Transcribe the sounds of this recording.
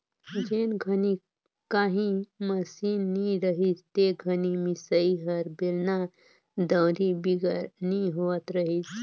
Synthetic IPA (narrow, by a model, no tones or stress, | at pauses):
d͡ʒenɡʱəni | kaɦĩməsinːiɾəɦit͡st̪eɡʱənimisəiɦəɾbelna | d̪əwɾibiɡəɾniɦoət̪ɾəɦit͡s